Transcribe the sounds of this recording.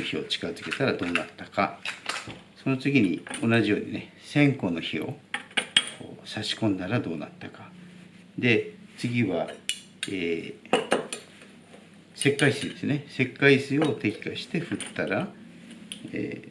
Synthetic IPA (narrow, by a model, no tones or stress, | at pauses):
oçio̞̰t͡ɕi̥kazɨke̞t̪aɾad̪o̞ːnat̪ːaka | so̞no̞t͡sɨɡʲiɲ̟io̞naʑijo̞ːɲ̟ine̞ | sẽ̞ŋko̞no̞çio̞̰ | ko̰ːsaɕi̥kõ̞nd̪aɾad̪o̞ːna̰t̪ːaka | d̪e̞t͡sɨɡʲiβa | eː | se̞kːaisɨid̪esɨne̞se̞kːaisɨjo̞ːt̪e̞kʲi̥kaɕi̥t̪e̞ɸɯ̟t̪ːaɾa | ḛː